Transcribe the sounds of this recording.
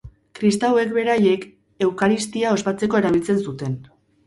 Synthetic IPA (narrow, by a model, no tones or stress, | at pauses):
kɾist̪awe̞kbe̞ɾaje̞k | e̞wkaɾist̪iao̞spat͡se̞ko̞e̞ɾaβ̞ilt͡se̞nsut̪e̞n